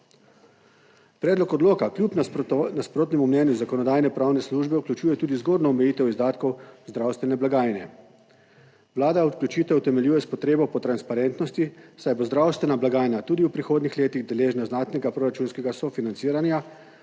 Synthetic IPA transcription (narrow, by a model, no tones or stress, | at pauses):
pɾɛːd̪lɔkɔd̪loːkaklʲjupnnaspɾoːt̪nɛmumnɛːnjuzakɔnɔd̪aːjnɛpɾaːwnɛsluːʒbɛuklʲut͡ʃuːjɛt̪uːd̪izɡoːd̪nɔːmɛjiːt̪ɛwizd̪aːt̪kɔwzd̪ɾawst̪ʋɛnɛblaɡaːjnɛ | wlaːd̪aɔt̪klʲjut͡ʃiːt̪ɛwt̪ɛmɛljuːjɛspɔt̪ɾeːbɔpɔt̪ɾanspaɾɛnt̪nɔst̪isajbozd̪ɾawst̪ʋɛnablaɡaːjnat̪uːd̪iwpɾixoːd̪nixleːt̪iɣd̪ɛleːʒnaznaːt̪nɛɡapɾoːɾat͡ʃuːnskɛɡasɔfinant̪siːɾanja